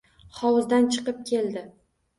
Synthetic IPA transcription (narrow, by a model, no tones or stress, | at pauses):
χɒwʊzd̪ant͡ʃʰɨ̥qɨp̚kʲʰe̞ld̪ɪ